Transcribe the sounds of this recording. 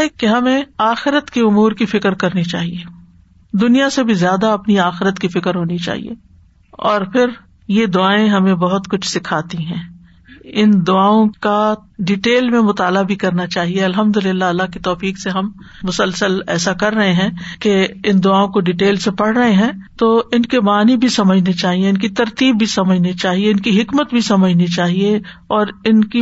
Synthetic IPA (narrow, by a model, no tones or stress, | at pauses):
ekeɦɐmẽaːxɪɾət̪keʊmuːɾkifɪkɾkɐɾnit͡ʃa̰ːɦieː | d̪ʊnijasebʱizjaːd̪aɐpniaːxɪɾət̪kifɪkəɾɦoːnit͡ʃa̰ːɦḭḛː | ɔːɾpʰɪɾ | jed̪ʊaːẽɦɐmẽbɐɦʊt̪kʊt͡ʃʰsɪkʰaːt̪iɦɛ̃ː | ɪnd̪ʊaːõkaɖɪʈeːlmẽmʊt̪aːlabʱikɐɾnat͡ʃaːɦieɐlɦɐmd̪ʊlɪlːaɐlːakit̪ɔːfiːkseɦɐmː | ʊsəlsəlɛ̰ːsakɐɾːɐɦeɦɛ̃ːkeɪnd̪ʊaːõkoɖɪʈeːlsepɐɽ̤ɾɐɦeɦɛ̃ːt̪oːɪnkebaːnibʱisɐməd͡ʒʱnit͡ʃaːɦieɪnkit̪ɐɾt̪iːbːʱisɐməd͡ʒʱnit͡ʃaːɦieɪnkiɦɪkmət̪̚bʱisɐməd͡ʒʱnit͡ʃaːɦieɔːɾɪnki